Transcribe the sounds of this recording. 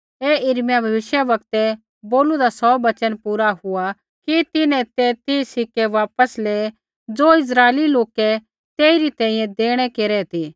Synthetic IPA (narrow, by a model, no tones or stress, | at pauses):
eːɪɾmjabʱɐʋɪʃjəʋɐkt̪ɛ | boːlud̪asɔːbɐt͡ʃənpuːɾaɦʊa | kit̪ɪnɛ̃t̪et̪isɪkɛʋaːpəsleː | d͡zoːɪs̬ɾaːeliloːkɛ | t̪eːiɾit̪ɛ̃ːĩjɛ̃d̪eːɽ̃ɛkeːɾɛt̪ʰiː